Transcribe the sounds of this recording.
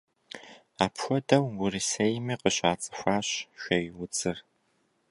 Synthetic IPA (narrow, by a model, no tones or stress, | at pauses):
aːpxʷɔdɐwwʊrɨsejmiːqəɕʼaːt͡sʼɨ̥xʷaːɕʃʷɐjwʊt͡sʼɨr